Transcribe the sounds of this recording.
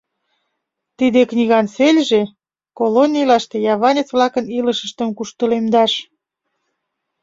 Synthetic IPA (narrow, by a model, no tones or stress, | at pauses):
t̪id̪eknʲiɣɑnselʲʒe | kolonʲilɑʃt̪ejɑβɑnʲet͡sβlɑkəniləʃə̆ʃt̪ə̆mkuʃt̪əlemd̪ɑʃ